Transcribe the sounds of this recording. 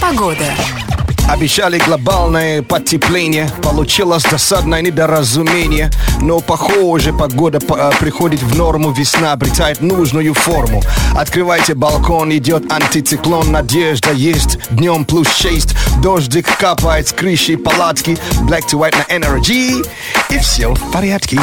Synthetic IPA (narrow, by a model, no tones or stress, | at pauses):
pɐɡod̪ə | ɐbʲɪɕːalʲɪɡlˠɐbalʲnəjəpɐtʲːɪplʲenʲɪjəpɐlˠʊt͡ɕilˠəsʲd̪ɐsad̪nəjənʲɪd̪ɐɾɐzʊmʲenʲɪjənopɐxoʐɨpɐɡod̪əppɾʲɪxodʲɪt̪vnormʊvʲɪsnaɐbɾʲɪt̪ajɪt̪nuʐnʊjʊformʊ̰ɐt̪kɾɨvajtʲɪbɐlˠkonɪdʲot̪ɐnʲt̪ʲɪt̪sɨklˠonːɐdʲeʐd̪əjesʲtʲd̪nʲomplʲust͡ɕesʲtʲd̪oʐd̪ʲɪkkapajɪt̪skɾɨɕɪpɐlˠat̪kʲɪblʲɛk̚t̪ʊvajt̪nɐʔɛnɛrɡʲi | ifsʲepɐɾʲat̪kʲɪ